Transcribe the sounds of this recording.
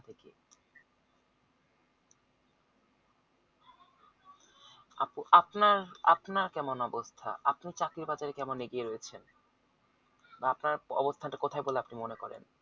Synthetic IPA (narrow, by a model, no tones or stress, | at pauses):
t̪ʰeke | apnaɾapnaɾkɛmonɔbost̪ʰa̰ʔapnit͡ɕakɾiɾbad͡ʑaɾekɛmonːeɡieɾojet͡ɕʰen | baapnaɾɔ̰bost̪ʰanʈakot̪ʰajboleapnimonekɔɾḛn